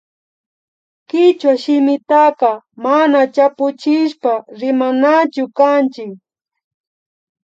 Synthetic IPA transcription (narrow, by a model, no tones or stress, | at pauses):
kɪt͡ʃwaʃɪmɪt̪aqɑmanat͡ʃapʊt͡ʃɪʃpaɾɪmanat͡ʃʊkant͡ʃɪk